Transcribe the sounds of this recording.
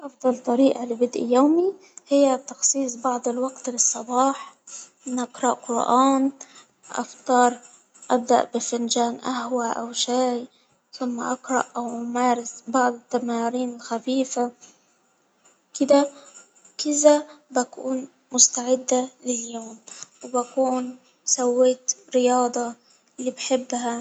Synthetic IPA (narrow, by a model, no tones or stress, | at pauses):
ʔɑfd̪ˤɑlt̪ˤɑɾiːʔalɪbɪd̪ʔijoːmi | hɪjːat̪ɑxsˤiːsˤbɑʕd̪ˤɪlwaɡt̪lɨsˤːɑbɑːħmɪnʔaqɾˤɑʔqʊɾʔaːn | ʔɑ̰ft̪ˤɑːɾˤ | ʔab̚d̪a̰ʔbɪfɪnʒaːnʔahwaʔa̰wʃaːj | θʊmːa̰ʔɑqɾˤɑ̰ʔʔawʔʊmaːɾɪsbaʕd̪ɪt̪ːamaːɾiːnɪlxafiːfa | kɪd̪a | kɪzabakuːn | mʊst̪aʕɪd̪ːalɪljoːmwbakuːn | sawːeːt̪ɾɪjɑːd̪ˤɑ | lːibħɪbːɦa